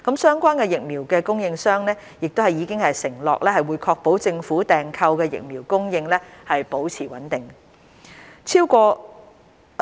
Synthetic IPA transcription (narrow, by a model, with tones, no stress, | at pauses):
kɐ˨˥msœː˥ŋkʷaː˥nkɛː˧jɪ˨k̚miː˨˩wkɛː˧kʊ˥ŋjɪ˧ŋsœː˥ŋnɛː˥ | jɪ˨k̚t̪o˥whɐ˨jiː˨˧kɪ˥ŋhɐ˨jsɪ˨˩ŋlɔ̰ː˨k̚lɛː˥hɐ˨jwuː˨˧jkʰɔː˧k̚po˨˥wt͡sɪ˧ŋfuː˨˥t̪ɛː˨ŋkʰɐ˧wkɛː˧jɪ̰˨k̚miː˨˩wkʊ˥ŋjɪ˧ŋlɛː˥hɐ˨jpo˨˥wt͡sʰiː˨˩wɐ̰˨˥nt̪ɪ˨˩ŋ | t͡sʰiː˥wkʷɔː˧